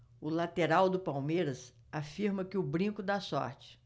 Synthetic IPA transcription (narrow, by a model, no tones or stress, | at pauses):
ʊlat̪eɾawd̪ʊpawmejɾɐs | afiɾmɐkɪʊbɾĩkʊd̪asɔ̰ɾt͡ʃɪ̥